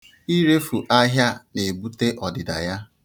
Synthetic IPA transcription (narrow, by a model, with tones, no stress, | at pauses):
i˦ɾe˦fu˨ʔa˦ɦja˦ne˨bu˦te˦ʔɔ˨dɪ˨da̰˨ja˦